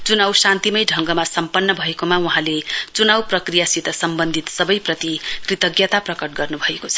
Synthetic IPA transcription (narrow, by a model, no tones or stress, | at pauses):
t͡sunawsãnt̪imʌjɖʱʌŋɡʌmasʌmpʌnːʌbʱʌekomauɦãlet͡sunawprʌkrijasit̪ʌsʌmbʌnd̪ʱit̪sʌbʌjprʌt̪ikrit̪ʌɡjʌt̪aprʌkʌʈ̚ɡʌrnubʱʌekot͡sʰʌ̥